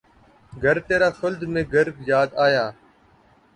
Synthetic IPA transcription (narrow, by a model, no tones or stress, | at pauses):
ɡʱəɾt̪eːɾaːfʊld̪mẽːɡəɾbjaːd̪aːjaː